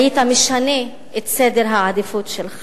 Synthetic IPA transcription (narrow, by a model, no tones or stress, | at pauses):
jit̪ameʃane | ʔet̪sed̪eɾɦaʕad̪ifut̪ʃel